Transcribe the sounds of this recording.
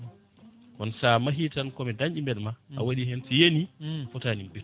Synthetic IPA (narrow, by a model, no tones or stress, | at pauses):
kɔnsamaɦitankɔmɛdaɲd͡ʒimbɛɗmaa̰waɗiɦɛnsijeniafɔtaːnimbi